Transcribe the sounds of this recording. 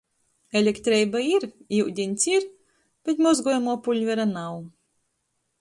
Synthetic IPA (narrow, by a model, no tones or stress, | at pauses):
elʲekt̪ɾɛjbaiɾiwd̪ʲinʲt̪sʲiɾ | b̥ʲɛt̪ʲmɔzɡuɔjamuɔpulʲvʲɛɾanaw